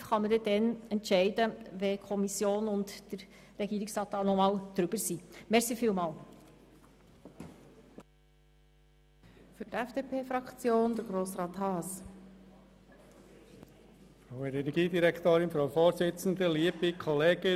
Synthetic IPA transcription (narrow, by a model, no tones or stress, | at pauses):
χɑmədɛdɛnɛntʃɛɪdəʋɛkʰɔmisjoːnʊntd̥əɾ | ɾɛɡiːɾɪksɑːt̚ːɑːnɔmɑːld̥ɾʏb̥əɾsimɛɾsifiːlmɑːl | fyɾtɛfd̥eːpʰeːfɾɑkt͡sjoːnd̥əɾɡɾoːsɾɑːt̪hɑːs | fɾaʊɛɾɛnɛɡiːdiɾɛkt̪oːɾɪnfɾaʊfoːɾzɪt͡sn̩d̪əliːəb̥ikʰɔleːɡ̥ə